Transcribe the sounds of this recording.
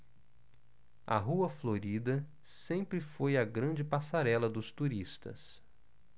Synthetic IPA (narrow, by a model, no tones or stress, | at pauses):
ɐ̰ɦuɐfloɾid̪ɐ | sẽmpɾɪfojɐɡɾɐ̃d͡ʒɪpasaɾɛlɐd̪ʊst̪uɾist̪ɐ̰s